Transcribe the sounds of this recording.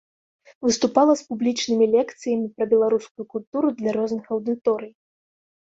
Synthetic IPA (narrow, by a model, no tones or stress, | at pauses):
vɨst̪upalˠɐspublʲit͡ʂnɨmʲilʲɛkt̪sɨjɐmʲipɾɐbʲɛlˠaɾuskujukulʲt̪uɾud̪lʲaɾɔznɨxɐwd̪ɨt̪ɔɾɨj